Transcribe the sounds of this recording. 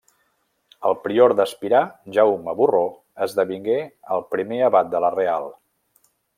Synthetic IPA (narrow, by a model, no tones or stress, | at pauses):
əlˠpɾioɾd̪əspiɾaʒawməβuro | əzðəβiŋɡeəlˠpɾimeəβat̪̚d̪ələrealˠ